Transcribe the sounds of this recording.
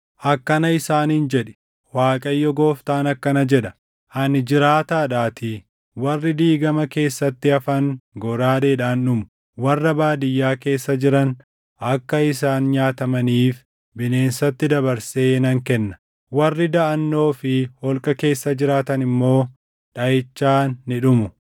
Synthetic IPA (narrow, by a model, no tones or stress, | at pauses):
ʔɐkːɐnɐɪsaːnɪnd͡ʒɛᶑɛ̥ | waːkʼɐjːɔɡo̞ːft̪aːnɐkːɐnɐd͡ʒɛᶑɐ̥ | ʔɐnd͡ʒɪɾaːt̪aːᶑaːt̪ɪ | wɐrːɪd̪iːɡɐmɐke̞ːsːɐt̪ːɪɐfɐŋɡɔɾaːd̪eːᶑaːnːʊmʊ | wɐrːɐbaːd̪ɪjːaːke̞ːsːɐd͡ʒɪɾɐn | ɐkːɐɪsaːnɲaːt̪ɐmɐniːf | bɪne̞ːnsɐt̪ːɪd̪ɐbɐɾse̞ːnɐŋkɛnːɐ̥ | wɐrːɪd̪ɐɐnːo̞ːfɪhɔlkʼɐke̞ːsːɐd͡ʒɪɾaːt̪ɐnɪmːo̞ː | ᶑɐjɪt͡ʃːaːnːɪᶑʊmʊ